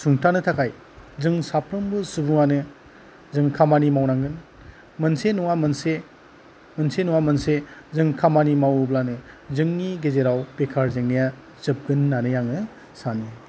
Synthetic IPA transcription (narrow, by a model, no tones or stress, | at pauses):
suŋtʰanɯtʰakʰaj | zɯŋsapʰɾɯmbusubuŋanɯ | zɯŋkʰamanimawnaŋɡɯn | mɐnsenuwamɐnse | mɐnsenuwamɐnsezɯŋkʰamanimawblanɯzɯŋniɡezeɾawpekʰaɾzeŋnija | zɯp̚ɡɯnːanɯjaŋnɯ | sana